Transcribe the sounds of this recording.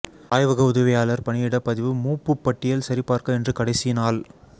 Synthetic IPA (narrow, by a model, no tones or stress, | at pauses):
aːjʋɐɣɐʊðɐʋɪjaːlɐɾpɐɳɪjɪɽɐpːɐðɪʋɯmuːpːɯpːɐʈːɪjɐlsɐɾɪpːaːɾkɐɛndrɯkɐɽɐɪsɪnaːl